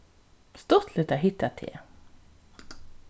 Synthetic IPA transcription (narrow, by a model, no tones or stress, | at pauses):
st̪ɔt̪ʰlət̪æɦɪt̪ːat̪ʰḛː